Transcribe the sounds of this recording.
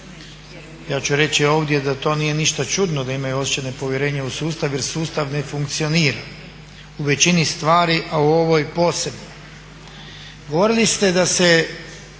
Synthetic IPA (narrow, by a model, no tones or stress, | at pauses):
jaːt͡ɕuɾe̞t͡ɕio̞ːʋd̪je̞d̪at̪o̞ːnije̞niʃt̪at͡ʃud̪nod̪aimajuo̞st͡ɕene̞po̞ʋje̞ɾe̞ːɲausuːst̪aʋje̞ɾsuːst̪aʋne̞fuŋkt̪sio̞niːɾa | uʋe̞t͡ɕinist̪ʋaːɾiʔauo̞ʋo̞jpo̞ːse̞bno | ɡo̞ʋo̞ɾilist̪e̞d̪ase